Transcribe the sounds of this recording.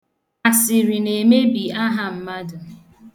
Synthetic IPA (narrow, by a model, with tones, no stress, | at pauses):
a˨sɪ˨ɾi˨ne˨me˦bi˨a˦ɦa˨m̩˦ma˦dʊ˨